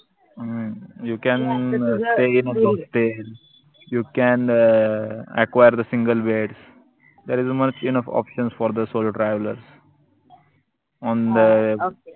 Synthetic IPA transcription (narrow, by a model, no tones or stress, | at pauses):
jukɛ̃nsʈeːɪ̃nɔsə̃sʈeːl | juːkɛ̃n | ḛkwaɪəɾd̪əsɪ̃ŋɡəlʋeːʈs | d̪eːɾɪzmʌt͡ʃɪnʌfɔ̰ːpʃə̃nsfɔːɾd̪əsoːlʈɾaɪʋlə̰ɾs | ɔ̃ːnd̪ə